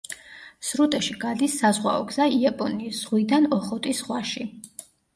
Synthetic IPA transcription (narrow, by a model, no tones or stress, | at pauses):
sɾut̪ʼɛʃiɡad̪isːazʁwa̰ɔ̰ɡz̥aiapʼɔniːsz̥ʁwid̪anɔχɔt̪ʼisʁwaʃi